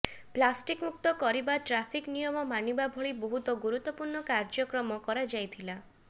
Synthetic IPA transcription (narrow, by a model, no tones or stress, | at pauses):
plasʈikmuk̚t̪ɔkɔɾibaʈɾapʰiknijɔmɔmanibabʱɔɭibɔɦut̪ɔɡuɾut̪ːɔpuɾɳɔkaɾd͡ʒɔkɾɔmɔkɔɾad͡ʒajt̪ʰila